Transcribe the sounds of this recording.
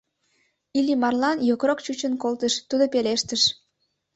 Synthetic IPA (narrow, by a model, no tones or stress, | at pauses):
ilimɑrlɑnjokrokt͡ɕut͡ɕənkolt̪əʃt̪ud̪opeleʃt̪əʃ